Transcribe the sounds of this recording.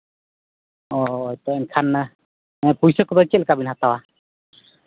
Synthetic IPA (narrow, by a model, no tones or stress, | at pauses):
ɔjt̪ɔɛnkʰan | pujsɔkɔbakɛlkabinɦat̪awa